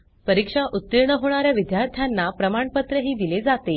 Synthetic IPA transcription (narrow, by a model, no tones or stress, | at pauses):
pəɾikʂaʔut̪ːiɾɳəɦoɽ̃aɾjaʋid̪jaɾt̪ʰjanːapɾəmaɳpət̪ɾəɦiːd̪iled͡zat̪e